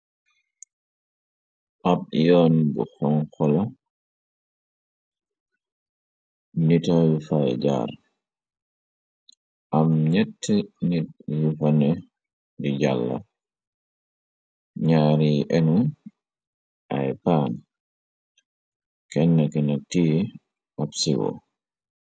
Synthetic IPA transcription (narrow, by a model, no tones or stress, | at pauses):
ʔab̚jɔːnbṵxɔŋxɔla | nitajufajd͡ʒa̰ːɾ | ʔamɲɛtːɛnit̚jufɐnɛ | diɟalːɐ̰ | ɲaːɾiʔɛnu | ʔa̰jpaːn | kɛnːɐkinɐk̚tiː | ʔapsiwɔ̰